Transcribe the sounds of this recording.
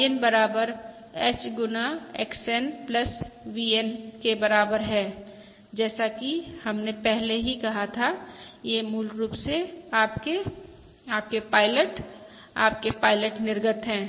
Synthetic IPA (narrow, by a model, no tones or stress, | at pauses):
enbɐɾaːbəɾ | ɛːt͡ʃɡʊnaḛːksɛnpləswienkebɐɾaːbəɾɦɛː | d͡ʒɛːsakihɐmnepɛɦleɦikɐɦat̪ʰajemuːlɾuːpseaːpke | aːp̚kepaːɪləʈ | a̰ːp̚kepaːɪləʈnɪɾɡət̪ɦɛ̃ː